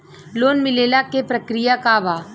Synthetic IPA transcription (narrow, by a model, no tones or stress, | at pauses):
loːnmɪleːlakepɾɐkɾɪjakaʋa